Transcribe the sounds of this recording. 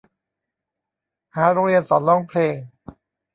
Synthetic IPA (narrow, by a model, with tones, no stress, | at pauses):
haː˩˦ɾoː˧ŋɾi˧ənsɔː˩˦nlɔː˥˩ŋpʰleː˧ŋ